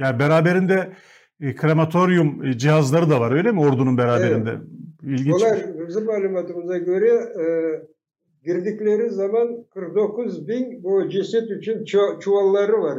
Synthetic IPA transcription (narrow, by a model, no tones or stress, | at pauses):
jaːnbeɾaːbe̞ɾind̪ɛ | kʰɾamat̪ʰo̞ɾjumd͡ʒiɦazlˠaɾɯd̪avaɾø̞jlʲemio̞ɾd̪ununbeɾaːbe̞ɾind̪ɛ̰ilʲɟinlˠaɾbizimmːaːlʲˠumat̪ɯmɯzaɟø̞ɾɛ | ɟiɾd̪iclʲe̞ɾizzːamankʰɯɾk̚d̪o̞kuzbinbud͡ʒisɛt̪yt͡ʃʰynt͡ʃʰt͡ʃʰuvalˠːaɾɯvaɾ